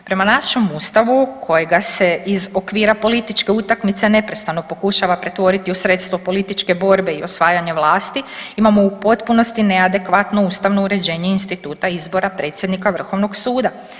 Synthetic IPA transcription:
pɾe̞manaʃemust̪aʋukʰo̞jeɡase̞izo̞kʋiːɾapo̞lit̪it͡ʃke̞ut̪akmit̪se̞ne̞pɾe̞st̪ano̞po̞kuʃaʋapɾe̞t̪ʋo̞ɾit̪iusɾe̞t̪st̪ʋopo̞lit̪it͡ʃke̞bo̞ɾbe̞io̞sʋaːjaɲe̞ʋlˠaːst̪iimamo̞upo̞t̪puno̞st̪ine̞ad̪e̞kʋat̪no̞uːst̪aʋno̞uɾe̞d͡ʑe̞ːɲeinst̪it̪uːt̪aizbo̞ɾapɾe̞ːt̪sjed̪nikaʋr̩xo̞ʋnoɡsuːd̪a

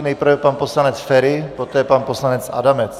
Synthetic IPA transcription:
nɛjpr̩vɛpanposlanɛt͡sfɛɾɪpot̪ɛːpanposlanɛt͡sa̰damɛt͡s

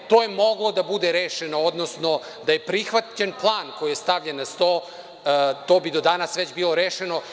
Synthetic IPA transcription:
t̪oːjemo̞ɡlˠo̞d̪abud̪eɾeːʃenood̪nosno̞ | d̪aje̞pɾixʋat͡ɕenplˠaːnko̞jijest̪aʋʎenːast̪oː | t̪o̞ːbid̪od̪anasʋet͡ɕbilˠo̞ɾeːʃeno̞

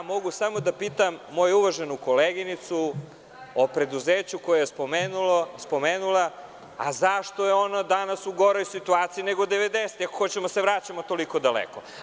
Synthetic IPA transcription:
jamo̞ɡusamo̞d̪apiːt̪amːo̞juuʋaʒenuko̞leɡinit̪su | opɾe̞d̪uzeːt͡ɕukojojespomeːnulospo̞meːnulˠa | a̰zaʃt̪o̞jeo̞nad̪anasuɡo̞ɾojsit̪uaːt̪siineɡod̪eʋed̪eset̪iako̥xo̞t͡ɕemoaseʋɾat͡ɕamo̞t̪o̞liko̞d̪alḛko̞

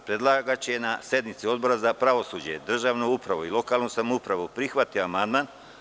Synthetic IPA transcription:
pɾe̞d̪lˠaɡat͡ɕeenasje̞d̪mit̪sio̞d̪̚bo̞ɾazapɾaʋo̞sud͡ʑe̞̰d̪r̩ʒaːʋnoupɾaʋuilo̞kaːlˠnusamupɾaʋupɾixʋat̪ioamand̪maːn

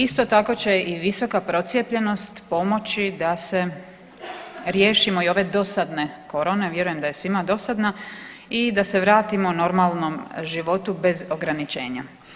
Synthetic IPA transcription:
ist̪o̞t̪ako̞t͡ɕe̞iʋiso̞kapɾo̞t̪sʲje̞pʎe̞no̞st̪po̞mo̞t͡ɕid̪ase̞ | ɾjeːʃimoio̞ʋe̞d̪o̞sad̪ne̞ko̞ɾone̞ʋje̞ɾuje̞md̪aje̞sʋimad̪o̞sad̪na | id̪ase̞ʋɾaːt̪imono̞ɾmalˠno̞mʒiʋo̞t̪ube̞zo̞ɡɾanit͡ʃe̞ːɲa̰

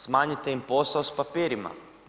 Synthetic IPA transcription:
smaːɲit̪eimposaospapiːɾima̰

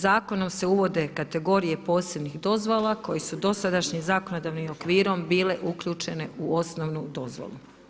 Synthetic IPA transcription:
zaːko̞no̞mse̞uʋo̞d̪ekat̪e̞ɡo̞ɾije̞po̞ːse̞bnixd̪o̞zʋolako̞jesud̪o̞sad̪aʃɲimzaːkonod̪aʋnimo̞kʋiːɾo̞mbiːle̞ʔukʎuːt͡ʃe̞ne̞uo̞snoʋnud̪o̞zʋo̰lu

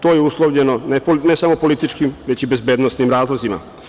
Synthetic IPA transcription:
t̪oːjeuslˠoʋʎenonenesamopo̞lit̪it͡ʃkimʋe̞t͡ɕibe̞zbeːd̪nost̪nimɾaːzlˠozima̰

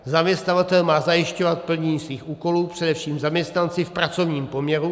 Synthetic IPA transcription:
zamɲɛst̪avat̪ɛlmaːzajɪʃcovat̪̚pl̩ɲɛɲiːsviːxuːko̞luːpr̥ɛdɛfʃiːmzamɲɛst̪nant͡sɪfpɾat͡so̞vɲiːmpomɲɛɾu

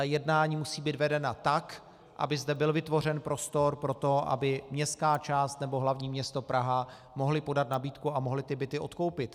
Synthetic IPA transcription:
jɛdnaːɲiːmusiːbiːd̪vɛdɛnat̪ak | ʔa̰bɪzd̪ɛbɪlvɪt̪vo̞r̝ɛnpɾo̞st̪o̞ɾpɾo̞t̪o̞ʔa̰bɪmɲɛst̪kaːt͡ʃaːst̪nɛbo̞ɦlavɲiːmɲɛst̪o̞pɾaɦa | mo̞ɦlɪpo̞dat̪nabiːt̪kuamoɦlɪt̪ɪbɪt̪ɪʔo̞t̪ko̞wpɪt̪

